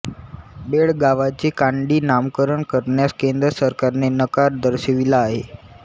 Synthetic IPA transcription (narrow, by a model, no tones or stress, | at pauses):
beɭɡaʋat͡sekãɳɖiːnamkəɾəɳkəɾɳjaskend̪ɾəsəɾkaɾnenəkaɾd̪əɾɕeʋilaːɦḛ